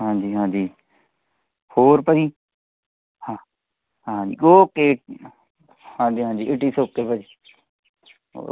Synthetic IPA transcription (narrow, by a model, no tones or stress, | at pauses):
ɦãːd͡ʒiːɦãːd͡ʒiː | hoːɾpəd͡ʒiː | hãː | ɦãːḭːɡoːkeːʈ̚ː | hãːd͡ʒiːɦãːd͡ʒiːɪʈiːsoːkːeːpəd͡ʒiː | o̰ː